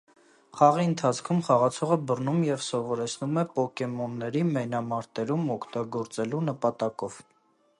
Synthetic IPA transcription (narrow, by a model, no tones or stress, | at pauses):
χɑʁiənt̪ʰɑt͡sʰkʰumχɑʁɑt͡sʰɔʁəbərnumjɛvsɔvɔɾɛt͡sʰnumɛpɔkɛmɔnːɛɾimɛjnɑmɑɾt̪ɛɾumɔkʰt̪ɑɡɔɾt͡sɛlunəpɑt̪ɑkɔv̥